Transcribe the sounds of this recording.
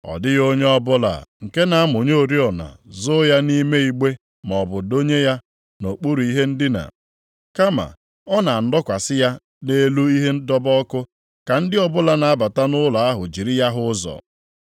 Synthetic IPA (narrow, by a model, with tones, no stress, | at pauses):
ɔ̰˨dɪ˦ɣo˦ɲe˦ɔ˦bʊ˦la̰˨ŋ̩˨ke˦na˨a˦mʊ˨ɲo˦o˨ɾi˦ɔ˨na̰˨zʊ˦ja˦ni˦me˦i˦ɡ͡be˦ | m˨ɔ˨bʊ˨do˦ɲe˦ja˦ | no˨k͡pu˦ɾu˨i˦ɦe˦n̩˦dɪ˦na̰˨ | ka˦ma̰˨ | ɔ˦na˨n̩˦dɔ˦kʷa˨sɪ˦ja˦ | ne˦lu˦i˦ɦe˦n̩˦dɔ˦bɔ˦kʊ˦ | ka˨n̩˦dɪ˦ɔ˨bʊ˦la˨na˨a˦ba˨ta˦nʊ˦la˨a˦ɦʊ̰˨d͡ʒi˨ɾi˦ja˦ɦʊ˦zɔ̰˨